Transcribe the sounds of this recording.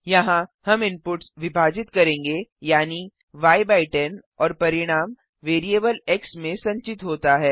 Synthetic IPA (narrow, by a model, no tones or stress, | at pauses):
jɐɦãhɐmɪmpʊʈsʋɪbʱaːd͡ʒɪt̪kɐɾẽːŋɡejaːni | ʋaːjbaːɪʈɛnɔːɾpɐɾɪɽ̃aːm | ʋeːɾieːbəlɛksmẽsɐ̃ɲt͡ʃɪt̪ɦoːt̪aɦɛː